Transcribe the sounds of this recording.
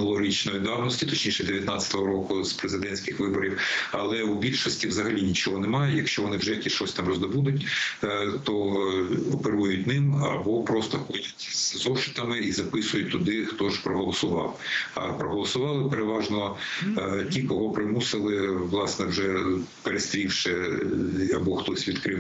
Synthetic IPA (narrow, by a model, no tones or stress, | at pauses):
nʊlˠɔɾʲit͡ʃnɔjʊd̪ɑwnɔsʲtʲit̪ɔt͡ʃnʲiʃɛd̪eʋʲjɐt̪nɑt͡sʲɐ̥t̪ɔɦɔɾɔkʊzpɾezɪd̪ɛnʲsʲkɪxʋɪbɔɾʲiwɐlˠɛubʲilʲʃɔsʲtʲiʋzɐɦɐlʲinʲit͡ʃɔɦɔnɛmɑjʊjɐkʃt͡ʃɔʋɔnɪwʒɛjkʲiʃɔsʲt̪ɑmrɔzd̪ɔbud̪ʊtʲ | t̪ɔ | ɔpeɾujʊtʲnɪmɐ̰bɔpɾɔst̪ɔxɔdʲɐtʲzzɔʃɪ̥t̪ɐmɪizɐpɪsʊjʊt̚ʲt̪ʊd̪ɪxt̪ɔʒpɾɔɦɔlˠɔsʊʋɑ̰wɐ̰pɾɔɦɔlˠɔsʊʋɑlˠɪpeɾeʋɑʒnɔ | tʲikɔɦɔpɾɪmusɪlˠɪʋlˠɑsnɛwʒɛpeɾest̪ɾʲiwʃɪ | ɐbɔxt̪ɔsʲʋʲid̪kɾɪw